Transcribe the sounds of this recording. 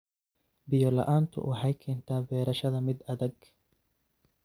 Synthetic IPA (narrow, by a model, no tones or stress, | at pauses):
bɪjɔlɐ̰ʔaːnt̪ʰʊ̰wʔɑħɑjkʰɛːnt̪ʰaːbɛːɾɐʃɐðɐmɪd̪ɐðɛɡ